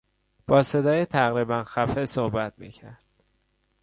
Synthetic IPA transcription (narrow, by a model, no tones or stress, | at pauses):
b̥ɒːse̞d̪ɒːjet̪ʰæɣɾiːbænxæfesohbæt̪mḭːcʰæɾd̪̥̚